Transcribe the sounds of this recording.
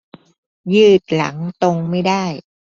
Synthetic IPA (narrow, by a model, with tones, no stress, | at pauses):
jɯː˥˩t̪̚la̰˩˦ŋt̪o˧ŋma˥˩jdaː˥˩j